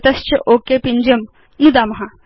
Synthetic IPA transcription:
t̪ɐst͡ɕeʔokepiɲd͡ʑəm | nud̪amɐɦa

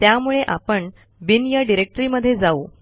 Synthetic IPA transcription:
t̪jamuɭeʔapəɳ | binjaɖiɾek̚ʈɾiːməd̪ʱːjed͡zau

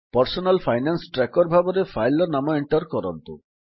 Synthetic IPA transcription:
pɔɾsonalfʰajnansʈɾɛkoɾbʱaboɾefʰajlɔɾnamaeɳʈɔɾkɔɾɔ̰nt̪ṵ

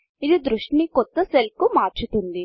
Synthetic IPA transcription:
id̪ud̪ɾuʂʈnikɔt̪ːɐselkumaːɾt͡ʃut̪und̪i

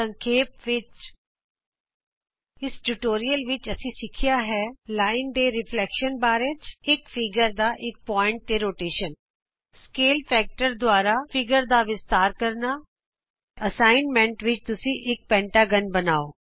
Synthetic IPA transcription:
ə̃ŋkʰeːpʋɪt͡ʃ | ɪsʈuʈoːɾijəlʋɪt͡ʃəsĩːsɪkʰɪjaːɦɛːlaːɪnd̪eːɾɪpʰlɛːkʃənbaːɾeːt͡ʃɪkfʰɪɡəɾd̪aːʔɪk̚pɔːɪ̃ɳʈ̚t̪eːɾoːʈeːʃən | skeːlpʰɛːk̚ʈəɾd̪ʊaːɾaːpʰɪɡəɾd̪aːʋɪst̪aːɾkəɾnaː | əsaːɪnmɛ̃ɳʈʋɪt͡ʃt̪ʊsĩːʔɪk̚pɛ̃ːɳʈaːɡənbənaːoː

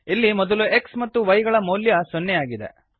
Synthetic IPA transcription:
ilːimɔd̪ɐlue̞ksmɐt̪ːuʋɐjɡɐɭɐmoːljɐsɔnːɛjaːɡid̪ḛ

